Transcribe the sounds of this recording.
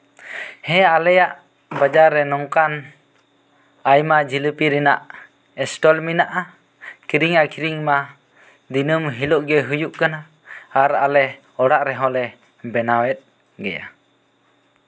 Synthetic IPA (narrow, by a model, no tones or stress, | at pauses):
hɛ̃alɛjaʔ | bad͡ʒaɾːɛnɔŋkan | ajmad͡ʒiləpiɾinaʔ | ɛsʈɔlminaʔa | kiɾiŋakʰiɾiŋma | d̪inumɦilɔʔɡɛɦujuʔkanaː | ɾa̰lɛ | ɔɽaʔɾɛɦɔ̃lɛ | bɛnawɛt̪̚ | ɡɛ̰ja̰